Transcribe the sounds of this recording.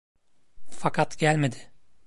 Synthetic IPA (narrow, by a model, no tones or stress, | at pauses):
fakʰat̪ɟælʲme̞d̪ɪ̥